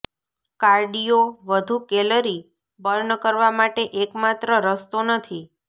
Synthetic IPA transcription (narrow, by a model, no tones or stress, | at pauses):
kaɾɖijoʋəd̪ʱukeləɾi | bəɾnkəɾʋamaʈeʔekmat̪ɾəɾəst̪onət̪ʰi